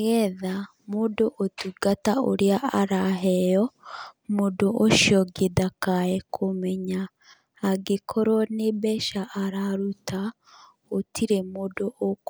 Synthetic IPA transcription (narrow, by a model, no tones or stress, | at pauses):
ɣɛða | modoʔotuɡatao̰ɾeaaɾaɦɛjɔmodoʔoʃjɔɡedakaɛkʰomɛɲaː | ɡekʰɔɾɔnebɛʃaʔaɾaɾuta | otʰiɾemodoʔok